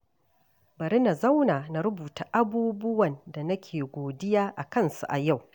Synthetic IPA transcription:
bɐ˨ɾi˦na˨zɐ˦wnaː˨na˨ɾʊ˦buː˨ta˨ʔa˦buː˦bʊ˦wɐ˨nda˨nɐ˦kʲʰeː˨ɡʷoː˨dɪ˦jaː˦ʔa˨kɐ˦˨nsu˨ʔa˨ja˦˨w

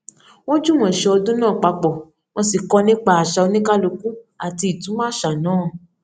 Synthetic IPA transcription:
wo˦d͡ʒu˦˨w̃ɔ̃˨ʃɛ˧˦ɔ˧dũ˦nãː˦˨k͡pa˧k͡pɔ˨ | w̃ɔ̃˧si˨kɔ˧nĩ˦k͡pa˦a˨ʃa˧o˧nĩ˦ka˦lo˧kũ˦ | a˨ti˧i˨tũ˨˦mãː˦ʃa˨nãː˨˦˨

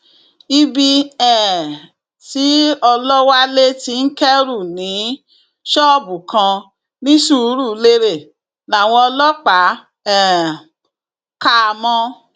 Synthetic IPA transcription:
i˧bi˧ɛ˨ | ti˨˦ɔ˧lɔ˦wa˦le˦ti˧n̩˦kɛ˦ɾu˦˨nĩ˨˦ | ʃɔ˦˨bu˨kʰã˧ | nĩ˦ʃu˦ɾu˦˨˦le˧ɾe˦˨ | la˨w̃ɔ̃˧ɔ˧lɔ˦k͡pa˨˦ | ɛ˦˨ | ka˦˧mɔ̃˧

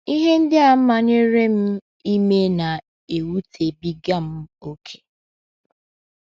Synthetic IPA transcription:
i˦ɦe˦n̩˦dɪ˦a˨m̩˦ma˨n˦e˦ɾe˦m̩˦ | i˦me˦na˨ | e˨wu˦tʰe˨bi˦ɡa˦m̩˦o˦kʰe̥˦

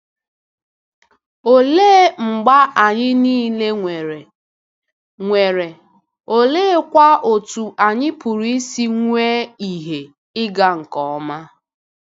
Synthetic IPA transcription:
o˨leː˦ŋ͡m̩˨ɡ͡ba˦a˨ɲɪ˦niː˦le˦ŋʷe˨ɾe˨ | ŋʷe˨ɾe˨ | o˨leː˦kʷa˦o˨tu˨ʔa˨ɲɪ˦pu˨ɾi˦si˦ŋʷeː˦i˨ɦe˨ | ɪ˦ɡa˦ŋ̩˨kɔ˨ɔ˦ma˦

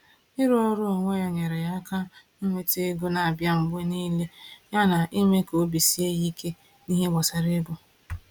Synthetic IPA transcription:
i˦ɾo˦ɾʊ˦˨ŋʷe˦jɔ˨ɲe˨ɾe˨ja˦ka˦ | i˦ŋʷe˦te˦ɡo˦na˨a˨bja˦m̩˨ɡ͡be˦niː˦le˦ja˦na˨ʔi˦me˦ko˦bi˨si˦e˦ji˦kʰe˦ | ni˦ɦe˦ɡ͡ba˨sa˨ɾe˦bʊ˦

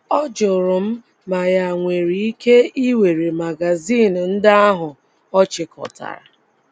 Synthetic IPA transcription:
ɔ˦d͡ʒʊ˨ɾʊ˨m̩˦ | ma˨ja˨ŋʷe˨ɾi˨i˦ke˦i˦we˨ɾe˨ma˨ɡa˨zi˦˨n̩˨n̩˦dɪ˦a˦ɦʊ˨ | ɔ˦t͡ʃɪ˨kɔ̰˨ta̰˨ɾa̰˨

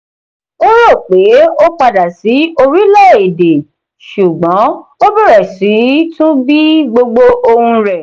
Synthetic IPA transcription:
o˦ɾo˦˨k͡pe˨˦o˦k͡pa˧da˨si˨˦o˧ɾi˦la˦˨e˨de˨ | ʃu˨ɡ͡bɔ̃˨˦o˦bi˦ɾɛ˨si˨˦tũ˦bi˦ɡ͡bo˧ɡ͡bo˧ʔo˧hũ˧ɾɛ˨

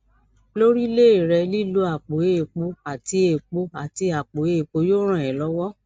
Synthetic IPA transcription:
lo˦ɾi˦le˦i˨ɾɛ˧li˦˨lu˨˦a˨k͡po˨e˨k͡po˨˧a˨ti˧e˨k͡po˧a˨ti˧a˨k͡po˨e˧˨e˨k͡po˧˦jo˦ɾ̃ã˦˨ɛ˨lɔ˨˦wɔ˦

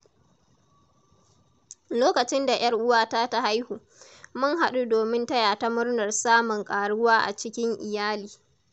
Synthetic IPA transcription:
loː˦kɐ˨t͡ʃɪ˦nda˨j̰ɐ˦rʔʊ˦waː˦ta˦ta˦ha˦jhuː˨ | mʊ˦ŋɦa˨ɗu˦doː˨mɪ˦ntɐ˦jaː˨ta˦mʊ˦rnɐ˨rsaː˦mʊ˨ŋkʼaː˨ɽʊ˦waː˦ʔa̰˨t͡ʃɪ˦kʲɪ˦ŋʔɪ˨jaː˦liː˨

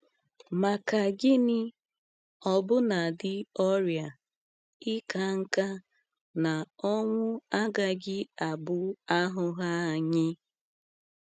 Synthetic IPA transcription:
ma˨ka˨ɡɪ˦nɪ˦ | ɔ˨bʊ˦na˨dɪ˦ɔ˦ɾja˨ | ɪ˦ka˦ŋ̩˦ka˦ | na˨ɔ˦ŋʷʊ˦a˦ɡa˨ɡɪ˦a˨bʊ˦a˦ɦʊ˦ɦa˦a˨ɲɪ˦

